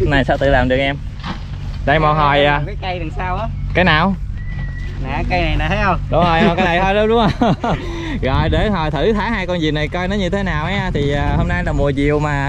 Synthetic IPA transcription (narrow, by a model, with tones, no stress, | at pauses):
na˨˩jsaː˧wt̪ɨ̰˧˨laː˨˩mɗɨ˨˩ək̚ʔɛ˧m | ɗə˧˩jmɔ˨˩ɦɔ˨˩jːka˨˦jkə˧jɗɨ˨˩saː˧wʔaː˨˦ka˨˦naː˨˩w | na̰ː˨kə˧jna˨˩jna˨t̪ʰə˨˦˥jhə˧wŋ͡mɗʊ˨˦ŋ͡moː˨˩ja˨˩kaː˨˦jna˨jt̪ʰɔ˧jɗo˨˦ɗʊ˧˦ŋ͡mə˧ | ɣɔ̰˧˨jɗe˧˨˦nɦɔ˨˩jt̪ʰɨ˧˩t̪ʰaː˧˨˦haː˧jkɔ˧nzi˨˩na˨˩jkɔ˧jnɔ˨˦ɲɨ˧t̪ʰe˨˦naː˨˩wʔaː˨˦˧t̪ʰi˨˩ʔəː˨˩ho˧mna˧jlaː˨˩mu˨˩əzi˨˩əwmaː˨˩